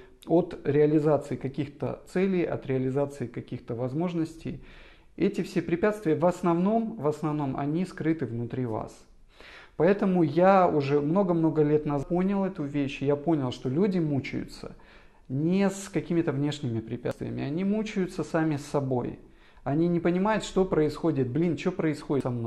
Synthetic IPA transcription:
o̞t̪ɾʲɪɐlʲɪzat̪sɨɪkɐkʲixt̪ə̰t̪sɛlʲɪjɐ̰t̪ɾʲɪəlʲɪzat̪sɨɪkɐkʲixt̪əvɐzmo̞ʐnəsʲtʲɪ̰j | ɛtʲɪfsʲepɾʲɪpʲat̪st̪vʲɪjəvɐsnɐvno̞mvəsnɐvno̞mʔɐ̰nʲiskɾɨt̪ɨvnʊt̪ɾʲiva̰s | pɐɛt̪əmʊjaʊʐɛmno̞ɡəmno̞ɡəlʲe̞t̪nɐzponʲɪlˠɛt̪ʊvʲeɕjapo̞nʲɪlˠʂt̪o̞lʲudʲɪmut͡ɕɪ̰jʊ̰t̪sə̰ | nʲɪskɐkʲimʲɪt̪əvnʲe̞ʂnʲɪmʲɪpɾʲɪpʲa̰t̪vʲɪ̰jə̰mʲɪɐnʲimut͡ɕʊjʊt̪səsamʲɪsːɐboj | ɐnʲinʲɪpənʲɪmajʊt̪ʂt̪o̞pɾəɪsxo̞dʲɪt̪̚blʲint͡ɕopɾəɪsxo̞dʲɪsɐmnoj

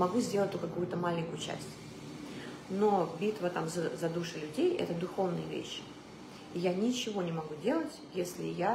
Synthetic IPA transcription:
mɐɡuzʲdʲelˠət̪ʲokɐkujʊt̪əmalʲɪnʲkʊjʊt͡ɕæ̰sʲtʲ | no̞bʲit̪vət̪amzəzɐd̪uʂɨlʲʉdʲejɛ̰t̪əd̪ʊxovnɨjəvʲḛɕːɪ̥ | ɪjanʲɪt͡ɕɪvo̞nʲɪmɐɡudʲe̞lˠətʲjesʲlʲɪ̰ja

